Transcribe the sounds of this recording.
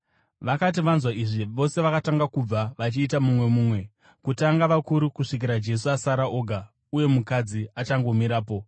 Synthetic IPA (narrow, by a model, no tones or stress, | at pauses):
ʋakat̬iʋanzwaiʐiʋo̞se̞ʋakataŋɡakub͡vaʋat͡ʃiːtamumwe̞muːmwe̞ | kutaŋɡaʋakuɾukuʂik̬iɾad͡ʒe̞s̬uasaɾaʔoːɡʱa | uje̞mukad͡ziat͡ʃaŋɡo̞miɾaːpo̞